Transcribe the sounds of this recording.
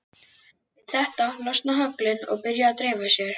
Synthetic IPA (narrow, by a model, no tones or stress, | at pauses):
ɪðθɛht̪alɔst̪naɦœklɪnɔ̰ɣpɪɾjaːt̪ɾeːjvasjɛɾ̥